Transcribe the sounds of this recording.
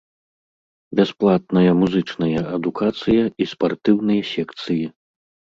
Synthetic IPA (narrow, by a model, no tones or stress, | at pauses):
bʲasplˠat̪̚nɐjɐmuzɨt͡ʂnɐjɐʔɐd̪ukat̪sɨjɐispart̪ɨwnɨjɐsʲɛkt̪sɨji